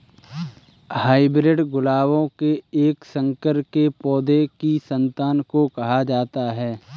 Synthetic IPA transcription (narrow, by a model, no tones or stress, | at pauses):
haːɪbɾeɖɡʊlaːʋõkeeːksə̃ŋkəɾkepɔːd̪ekisə̃nt̪aːnkokɐɦad͡ʒaːt̪aɦɛː